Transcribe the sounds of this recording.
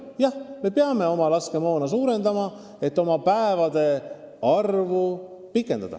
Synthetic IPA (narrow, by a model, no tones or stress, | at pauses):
jɑhme̞peɑme̞o̞mɑlɑske̞mo̞ːnɑs̬uːɾe̞nd̪ɑmɑ | e̞t̪ːo̞mɑpæevɑd̪̥e̞ | ɑrvu | pikːˑend̪ɑ̰d̪̥ɑ̰